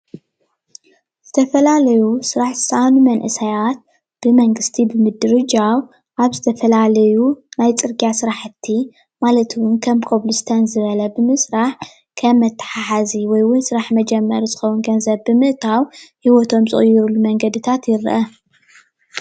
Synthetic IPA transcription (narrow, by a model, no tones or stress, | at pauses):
z̥ɨt̪ʰɐfɐlalɐjusɨɾaħzɨsɐʔanumɐnʔɨsɐjat̪̚ | b̥ɨmɐŋɡɨst̪ʰibɨmɨd̪ɨɾɨd͡ʒaw | ʔaβzɨt̪ʰɐfɐlalɐjunajt͡sʼɨɾɡijasɨɾaħɨt̪ʰːi | malɐt̪wʊnkʰɐmkʰoβlust̪ʰɐnzɨβɐlɐbɨmɨsɾaħ | kʰɐmːɐt̪ʰːɐ̥ħaħaziwɔjwʊnsɨɾaħmɐd͡ʒɛmːɐɾizɨxɐwunɡɐnzɐβbɨmɨʔt̪ʰawhiwɔt̪ʰo̞mzɨχʼjːɪɾulːumɐŋɡɐd̪ɨt̪ʰat̪jɪɾʔɐ